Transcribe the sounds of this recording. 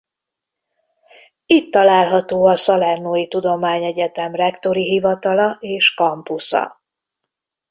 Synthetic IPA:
it̪ːɒlaːlɦɒt̪oːɒsɒlɛrnoːjit̪ud̪o̞maːɲɛɟɛt̪ɛmrɛkt̪o̞ɾiɦivɒt̪ɒlɒeːʃkɒmpusɒ̰

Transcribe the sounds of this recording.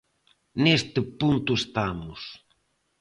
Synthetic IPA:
nest̪ɪpunt̪ʊest̪amʊs

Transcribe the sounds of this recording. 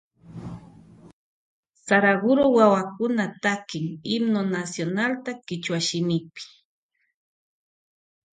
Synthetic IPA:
saɾaɡʊɾowawakʊnat̪akɪŋɪmnonasjonalt̪akɪt͡ʃwaʃɪmɪpɪ̥

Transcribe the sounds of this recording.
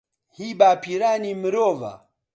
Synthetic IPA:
hiɓapʰiɾanim̩ɾɔva̰

